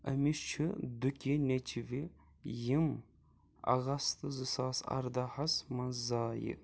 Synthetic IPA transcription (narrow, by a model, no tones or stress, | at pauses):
ɐmiʃt͡ʃʰɨd̪ukʲinet͡ʃʰivi | jim | ɐ̰ɣɐst̪ɨzɨsaːsɐ̰ɾd̪ahɐsmɐnzaːjḭ